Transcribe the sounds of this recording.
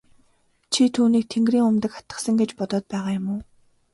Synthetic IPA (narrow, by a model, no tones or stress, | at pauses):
t͡ɕʰit̪ʰuːniːk̚t̪ʰeŋɡriːŋʊmt̪ə̆kχḁt̪ə̥̆sə̆ŋɡet͡ɕpɔt̪ɔːt̪̚pæːʁaːjʊmʊː